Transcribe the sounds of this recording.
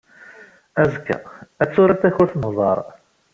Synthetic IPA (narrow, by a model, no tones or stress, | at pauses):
æzkːə̰æt͡sːʊɾæt̪æçʊɾθnəðˤɑ̰ɾˤ